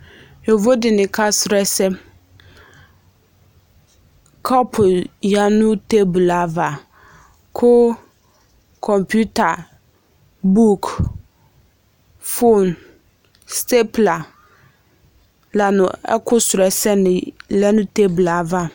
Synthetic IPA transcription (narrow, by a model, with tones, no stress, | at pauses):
jo˨vo˦dɪ˨nɪ̃˨kʰa˦sʊ˨ɾɛ˦sɛ˦ | kʰɔ˦pʰʊ˨ja˦nʊ̃˦te˦bu˨la˨va˨ | kʰo˦ | kʰɔ˨mpʰju˦tʰa˨ | bu˦k | fo˦˨n | stʰe˦pʰla˨ | la˨nʊ̃˨ɛ̰˦kʰʊ˦sʊ˨ɾɛ˨sɛ˦nʊ̃˨lɛ˦nʊ̃˦tʰe˦bu˨la˨va˦